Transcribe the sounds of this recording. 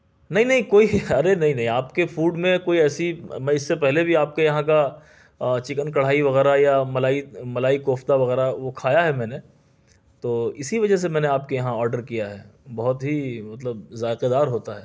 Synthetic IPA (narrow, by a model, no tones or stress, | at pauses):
nɐɦĩnɐɦĩkoːiɐɾenɐɦĩnɐɦĩaːpkefuːɖmẽkoːiɛːsimɛ̃ɪsːepɛɦlebʱiaːp̚kejɐɦãka | t͡ʃɪkənkɐɽ̤aːiʋɐɣɛːɾajamɐlaːimɐlaːikoːft̪aʋɐɣɛːɾaʋokʰaːjaɦɛmɛ̃ːne | t̪oːɪsiʋɐd͡ʒəs̬emɛ̃ːneaːp̚kejɐɦãɔːɾɖəɾkijaɦɛːbɐɦʊt̪ɦimɐt̪ləb̚zaːɪqed̪aːɾɦoːt̪aɦɛː